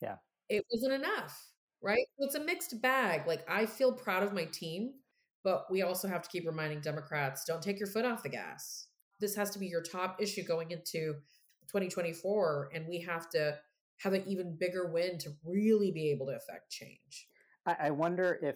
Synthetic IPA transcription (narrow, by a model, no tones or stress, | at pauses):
jæ̰ | ɪt̚wʌzɨ̃ñtɨnʌf | ɹaɪt̚ɨtsɨmɪkstb̥æɡlaɪkaɪfilˠpʰɹ̥aʊɾʌvmaɪtʰĩm | b̥ʌʔ̚wiɔlˠsoʊhæftə̥kʰipɹɨmãɪ̃ndɪ̃ŋdɛməkʰɹ̥ætsd̥õʊ̃ntʰeɪkjə˞fʊɾɔfðɨɡæ̰s | ðɪshæz̥tʰəbijə˞tʰɑpɪʃʉɡoʊɪ̃ŋɪ̃ntʰʉ | tʰw̥ɛ̃ɾ̃itʰw̥ɛ̃ɾ̃ifɔɹɨ̃nwiɦæftɨ | ɨvɨʔivɨ̃nbɪɡə˞wɪ̃ntʰɨɹɪlˠibieɪbl̩ˠtɨːfɛ̰k̚tt͡ʃʰḛ̃ɪ̃n̥ʒ̥ | aɪʔaɪwʌ̃ndə˞ʔɪ